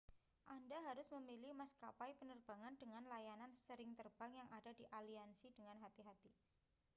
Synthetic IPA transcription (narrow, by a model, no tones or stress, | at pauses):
ʔandaɦaɾʊsməmilɪmaskapajpənərb̥aŋandəŋanlajanansəɾɪŋt̪ərbaŋjaŋʔadadiʔaliansidəŋanɦat̪iɦat̪i